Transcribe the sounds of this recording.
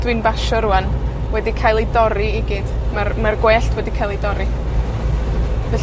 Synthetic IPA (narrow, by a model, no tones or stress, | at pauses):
d̥wɨnbaʃɔɾuan | wɛdikʰajlˠidɔɾiiɡid̥marmarɡweːɬtʰwɛdikʰajlˠidɔɾi | vɛ